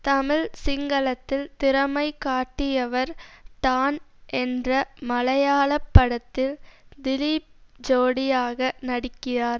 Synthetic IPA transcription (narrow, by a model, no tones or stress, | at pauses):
t̪ɐmɪlsɪŋɡɐɭɐt̪ːɪlt̪ɪɾɐmɐɪkaːʈːɪjɐʋɐɾʈ̪aːnʔɛndrɐmɐlɐjaːɭɐpːɐɽɐt̪ːɪld̪ɪlip̚d͡ʒoːɽɪjaːɣɐnɐɽɪkːɪɾaːɾ